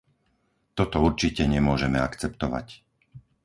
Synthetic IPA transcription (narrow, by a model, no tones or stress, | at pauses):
t̪ɔt̪ɔuɾt͡ʃicɛɲɛmʊɔʒɛmɛakt͡sɛpt̪ɔʋa̰c